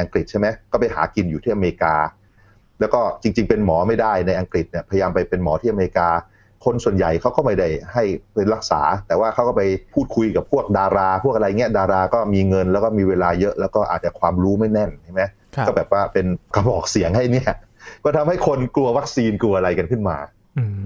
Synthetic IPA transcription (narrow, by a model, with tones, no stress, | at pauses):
ʔa˧ŋkɾi˨˩t̪̚t͡ɕʰa˥˩jma˦˥kɔː˥˩pa˧jha̰ː˩˦ki˧njuː˨˩t̪ʰiː˥˩ʔa˧me˧ɾi˧kaː˧ | lɛː˦˥wkɔː˥˩t͡ɕi˧ŋt͡ɕi˧ŋpe˧nmɔː˩˦ma˥˩jda˥˩jna˧jʔa˧ŋkɾi˨˩t̪̚ni˥˩ɐpʰja˧jaː˧mpa˧jpe˧nmɔː˩˦t̪ʰiː˥˩ʔa˧me˧ɾi˧kaː˧ | kʰo˧nsu˨˩ənja˨˩jkʰa˦˥wkɔː˥˩ma˥˩jda˥˩jha˥˩jpe˧nɾa˦˥k̚sa̰ː˩˦t̪ɛː˨˩waː˥˩kʰa˦˥wkɔː˥˩pa˧jpʰuː˥˩t̪̚kʰu˧jka˨˩pʰːu˥˩ək̚daː˧ɾaː˧pʰu˥˩ək̚ʔa˧ɾa˧jŋi˦˥ɐdaː˧ɾaː˧kɔː˥˩miː˧ŋɤ˧nlɛː˦˥wkɔː˥˩miː˧weː˧laː˧jɤ˦˥ʔlɛː˦˥wkɔː˥˩ʔa̰ː˨˩t̪̚t͡ɕa˨˩kʰwaː˧mɾuː˦˥ma˥˩jnɛ˥˩nt͡ɕʰa˥˩ma˦˥j | ɔː˥˩bɛː˨˩p̚waː˥˩pe˧nka˧bɔː˨˩k̚si˩˦əŋha˥˩jni˦˥˩ɐ | kɔː˥˩t̪ʰa˧mha˥˩jkʰo˧nklu˧ɐwa˦˥k̚siː˧nku˧ɐʔa˧ɾa˧jka˧nkʰɯ˥˩nmaː˧